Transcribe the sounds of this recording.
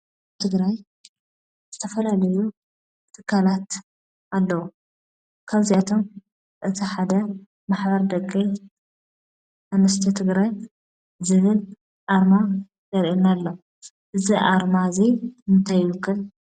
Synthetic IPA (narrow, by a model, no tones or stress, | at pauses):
t̪ʰɨɡɾaj | z̥ɨt̪ʰɐfɐlalɐju | t̪ʰɨkʰːalat̪ | alːɐwu | kʰaβziat̪ʰom | ʔɨt̪ʰiħad̪ɐ | maħbɐɾd̪ɐkʼːi | ʔanɐst̪ʰɐt̪ʰɨɡɾaj | zɨβɨl | ʔaɾma | zɐɾʔinalːɐ | ʔɨziʔa̰ɾmaziɨnt̪ʰajɪwɨkʰːɨl